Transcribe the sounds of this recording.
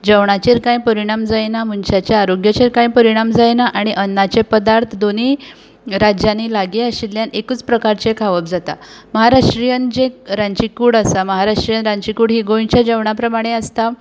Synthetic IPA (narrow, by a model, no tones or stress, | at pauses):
d͡ʑəʋɳat͡ɕeɾkãjpəɾiɽ̃amd͡zajnam̤unt͡ɕjat͡ɕjaːɾoɡjət͡ɕeɾkãjpəɾiɽ̃amd͡zajnaʔaɽ̃iʔənːat͡ɕepəd̪aɾt̪ʰd̪oni | ɾad͡ʑjanilaɡeəɕilːjanekut͡spɾəkaɾt͡ɕekʰaʋəp̚d͡zat̪a̰məɦaɾaʂʈɾijənd͡ʑeɾãɲt͡ɕikuːɽasaməɦaɾaʂʈɾijənɾaɲt͡ɕikuːɽɦiɡojt͡ɕjad͡ʑəʋɳapɾəmaɽ̃eəst̪a